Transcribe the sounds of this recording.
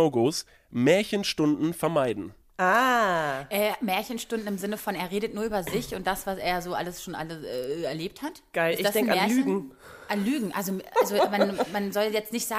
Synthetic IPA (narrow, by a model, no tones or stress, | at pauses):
ʊɡos | mɛːɐçənʃtʊndn̩fɛɐmaɪdn̩ | ʔaːʔɛːmɛːɐçənʃtʊndn̩ɪmzɪnəfɔneːɐʁeːdətnuːɐʔyːbɐzɪçʊnt̚d̥asv̥asḛːɐjzoːʔa̰ləsʃoːnʔa̰ləʔɛːɛɐleːp̚thatɡ̥aɪlsɪd̥asdnamɛːɐlyːəɡŋ̩ | ʔanlyːɡŋ̩ʔalzoʔalzomannmanzɔljɛt͡stnɪçtz̥aː